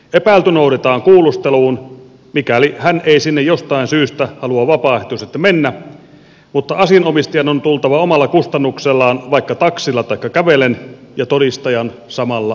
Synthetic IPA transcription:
epæˑːlt̪ynoudet̪ɑːŋkuːlust̪eluːn | mikælihæneisinːejjost̪ɑinsyːst̪æhɑluɑʋɑpɑˑeht̪uset̪ːæmenːæ | mut̪ːɑɑsiɑnomist̪ijɑnont̪ult̪ɑʋɑomɑlːɑkust̪ɑnːukselːɑːnʋɑikːɑt̪ɑksilːɑt̪ɑikːɑkæʋelenjɑt̪odist̪ɑjɑn | sɑmɑlːɑ

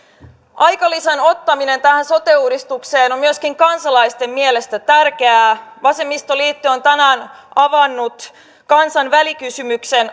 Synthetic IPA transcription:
ɑjkɑliseno̞t̪ːɑminent̪æhænso̞t̪euːdist̪ukseːnommyəskiŋkɑnsɑlɑjst̪e̞mmiele̞st̪æt̪ærkeæːʋɑse̞mːist̪oliːt̪ːyont̪ænæːnɑʋɑnːut̪ | kɑnsɑnʋælikysymykse̞n

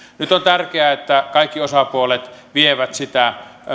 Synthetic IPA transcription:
nyt̪ont̪ærkeæet̪ːækɑikːiosɑpuolet̪ʋieʋæt̪sit̪æ

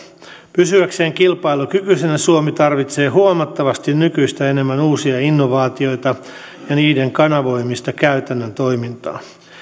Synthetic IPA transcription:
pysyækse̞ːŋkilpɑilukykysenæsuomit̪ɑrʋit̪se̞ːɦuomɑt̪ːɑʋɑst̪innykyist̪æene̞mːænuːsiɑinːoʋɑːt̪io̞jt̪ɑ | jɑniːde̞ŋkɑnɑʋo̞ijmːist̪ɑkæyt̪ænːənt̪o̞jmint̪ɑ̰ː

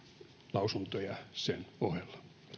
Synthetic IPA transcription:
lɑusunt̪ojɑsenohelːɑ̥

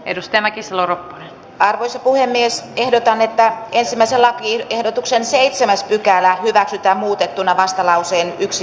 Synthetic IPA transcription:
ḛdust̪æmækiseloropːo̥ne | ɑrʋoisɑpuhemːiesehdot̪ɑnet̪ːæensimːæiselɑkiehdot̪uksenseit̪semæspykælæhyʋæksyt̪æːmmuːt̪et̪ːunɑʋɑst̪ɑlɑuseːnyksi

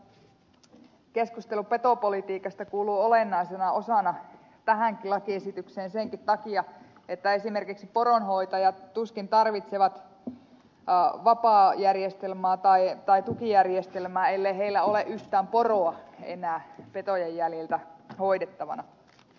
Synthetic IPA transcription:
keskust̪elupet̪opolit̪iːkɑst̪ɑkuːluːolenːɑisenɑosɑˑnɑ | t̪æɦæŋkilɑkiesit̪ykseːnseŋkit̪t̪ɑkiɑ | et̪ːæesimerkiksiporonhoit̪ɑjɑt̪uskint̪ɑrʋit̪seʋɑt̪ | ʋɑpɑːjærjest̪elmɑːt̪ɑit̪ɑit̪ukijærjest̪elmæːelːeiɦeilːæoleʔyht̪æːmporoɑḛnæːpet̪ojejːælelt̪æhoidet̪ːɑʋɑ̰nɑ

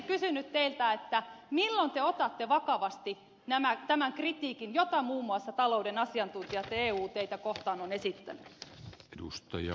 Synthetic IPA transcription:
kysynyt̪t̪eilt̪æet̪ːæmilːont̪eot̪ɑt̪ːeʋɑkɑʋɑst̪i | næmæt̪æmæŋkrit̪iːkinjot̪ɑmuːmːuɑsːɑt̪ɑloudenɑsiɑnt̪unt̪iɑt̪eːuːt̪eit̪ækoht̪ɑːnonesit̪ːæ̰ny̰edust̪ɑjɑ̰

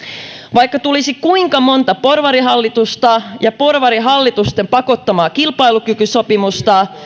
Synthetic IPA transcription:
ʋɑjkːɑt̪ulisikuiŋkɑmo̞nt̪ɑpo̞rʋɑɾiɦɑlːit̪ust̪ɑjɑpo̞rʋɑɾiɦɑlːit̪ust̪empɑko̞t̪ːɑmɑːkilpɑilukykysopimust̪ɑ

